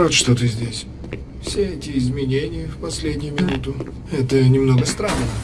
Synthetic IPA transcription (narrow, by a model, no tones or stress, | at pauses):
at̪ʂt̪ot̪ɨzʲdʲesʲ | fsʲeɛtʲɪɪzmʲɪnʲenʲɪjəfpɐsʲlʲedʲnʲɪjʊmʲɪnut̪ʊ | ɛt̪ənʲɪmnoɡəst̪ɾanːə